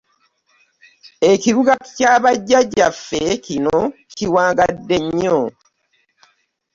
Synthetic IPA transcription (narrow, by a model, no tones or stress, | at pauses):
eciɾuɡacaːβaɟːaɟːafːecinociwaːŋɡadːeɲːo